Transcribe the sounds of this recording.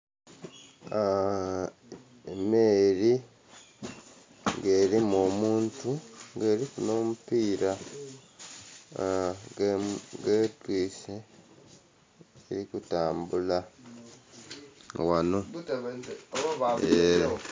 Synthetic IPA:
a | emeːɾi | ŋɡe̞ːɾimomuːntuŋɡe̞ːɾikuno̞ːmupiːɾa | ɡeːtwiːse | ɾikutaːmbula | wano̞ | aβaeɾo

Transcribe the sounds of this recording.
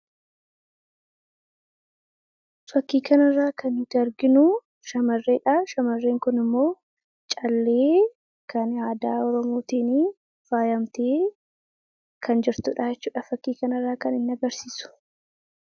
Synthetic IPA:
fɐkːiːkɐnɪrːaːkɐnɪt̪ɐɾɡɪnʊ | ʃɐmɐrːe̞ːᶑaːʃɐmɐrːeːŋkʊnɪmːo̞ː | t͡ʃʼɐlːe̞ː | kɐnaːd̪aːɔɾɔmo̞ːt̪iːni | faːjɐmt̪eː | kʰɐnd͡ʒɪɾt̪ʊːᶑaːd͡ʒɛt͡ʃːuːᶑɐfɐkːiːkɐnɪrːaːkɐnɪnːɐɡɐɾsiːsʊ̥

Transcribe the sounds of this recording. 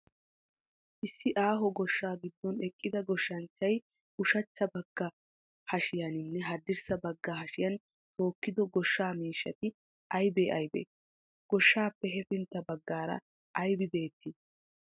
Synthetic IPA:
ʔɪsːɪʔaːɦɔɡɔʃːaːɡɪd̪ːɔnɛkʼːɪd̪ɐɡɔʃːɐnt͡ʃːɐj | ʔʊʃɐt͡ʃːɐbɐɡ̥ːɐ | hɐʃɪjɐnɪnːɛɦɐd̪ɪɾsɐbɐɡːɐɦɐʃɪjɐn | t̪o̞ːkːɪd̪ɔɡɔʃːaːmiːʃːɐt̪ɪ | ʔɐjbeːʔɐjbḛː | ɡ̥ɔʃːaːpːɛɦɛfɪnt̪ːɐbɐɡːaːɾɐ̰ | ʔɐjbɪbe̞ːt̪ːɪ

